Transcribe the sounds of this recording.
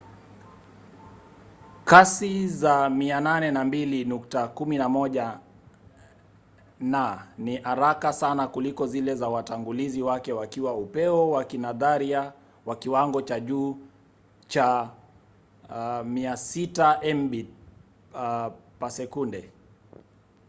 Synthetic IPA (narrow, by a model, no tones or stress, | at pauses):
kasizamiananɛnambilinuktakuminamɔʄa | naniʔaɾakasanakulikɔzilɛzawataŋɡuliziwakɛwakiwaupɛɔwakinaðaɾia | wakiwaŋɡɔt͡ʃaʄuː | t͡ʃa | miasitaʔɛmbi | pasɛkundɛ